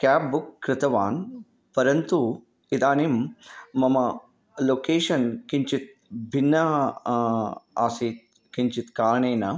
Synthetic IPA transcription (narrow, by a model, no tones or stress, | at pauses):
kaːpbukːɾɪt̪ɐʋaːn | pɐɾɐnt̪u | id̪aːnimmɐmɐ | loːkeːʂɐnkiɲt͡ʃit̪̚ | bʱinːɐ | aːsiːt̪̚ | kiɲt͡ʃit̪kaːɾɐɳeːnɐ